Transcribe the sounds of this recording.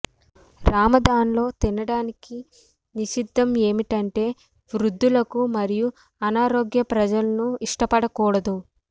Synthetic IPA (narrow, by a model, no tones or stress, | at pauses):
ɾaːmɐd̪aːnlo̞ːt̪inɐɽaːniki | niʃid̪ʱːɐme̞ːmiʈɐɳʈe̞ː | ʋɾud̪ʱːulɐkumɐɾiju | ɐnaːɾoːɡjɐpɾɐd͡ʒɐlɐnuiʂʈɐpɐɽɐkuːɽɐd̪u